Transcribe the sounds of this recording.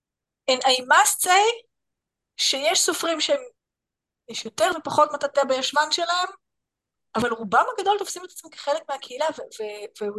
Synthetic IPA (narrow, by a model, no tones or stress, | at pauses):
enajmast͡sej | ʃejeʃsofʁimʃeem | jeʃjot̪eʁvepaχo̞t̪mat̪at̪eabejaʃvanʃe̞lahe̞m | avalʁubamhaɡad̪o̞lt̪o̞fsimet̪ḁt͡smike̥χelekmeakʰeilaveveve